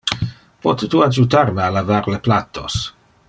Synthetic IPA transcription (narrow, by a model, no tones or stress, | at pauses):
pɔt̪et̪uad͡ʒut̪aɾmealavaɾleplat̪o̰s